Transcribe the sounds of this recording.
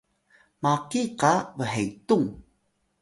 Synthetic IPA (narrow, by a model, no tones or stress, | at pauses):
makikavəɦejtuŋ